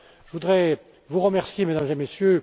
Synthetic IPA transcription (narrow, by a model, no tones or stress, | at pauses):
ʒəvud̪ʁɛ | vuʁəmɛʁsjemed̪amzemesjø